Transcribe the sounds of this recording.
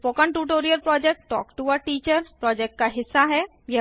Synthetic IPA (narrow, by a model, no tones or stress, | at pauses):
pokə̃ɳʈuːʈoːɾijəɾpɾɔːd͡ʒek̚ʈʈɔ̰ːkʈuʋəɾʈiːt͡ʃəɾpɾɔːd͡ʒeːk̚ʈ̚kaɦɪsːaɦɛ | je